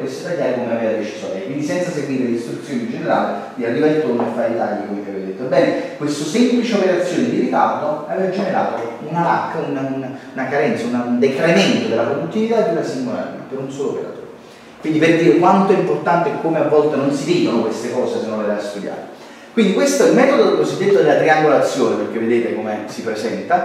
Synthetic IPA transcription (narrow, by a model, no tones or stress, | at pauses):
kwest̪ot̪aʎːaːɾekomuenaveːɾad̪et͡ʃi̥zjo̰ːnkwind̪isɛnt̪saseɡwiːɾeleist̪ɾut̪sːjoːnind͡ʒeneɾa̰ːle | d̪ialːivalt̪onafːaːɾed̪t̪aʎːikomekavevad̪et̪ːoebːɛːnekwest̪osemplit͡ʃeopeɾat̪sːjoːned̪iɾik̪ard̪oavevad͡ʒeneɾaːt̪ounala̰kːaunaununakaɾɛnt̪saunand̪et̪ɾaiment̪od̪elːapɾod̪ut̪ːivit̪aed̪ːunasiŋɡola̰rnḛpeɾunsoːloo̰peɾa̰t̪o̰ːɾe | kwind̪iperd̪iːɾekwant̪oimport̪ant̪eɛkːomeavːɔlt̪enonsiveːd̪onokwest̪ekɔːsesenːonlːelaast̪ud̪ja̰ːɾe | kwind̪ikwest̪oɛelmɛːt̪od̪od̪elkozid̪ːet̪ːod̪elːat̪ɾiaŋɡolat̪sːjoːneperk̟evːed̪eːt̪ekomesipɾesɛnt̪a